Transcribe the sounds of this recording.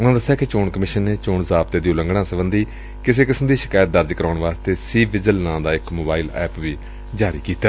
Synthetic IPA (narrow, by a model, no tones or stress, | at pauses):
ʊnãːd̪əsːjaːkɪt͡ʃoːɳkəmɪʃənːeːt͡ʃoːɳzaːb̚t̪eːd̪iːʊləŋɡɽ̃ãːsəbənd̪iː | kɪseːkɪsəmd̪iːʃɪ̥kaːjət̪̚d̪əɾd͡ʒkəɾaːɳʋaːst̪eːsiːbɪd͡ʒəlnãːd̪aːɪkmoːbaːiːlɛ̰ːpʋiː | d͡ʒaːɾḭːkiːt̪aː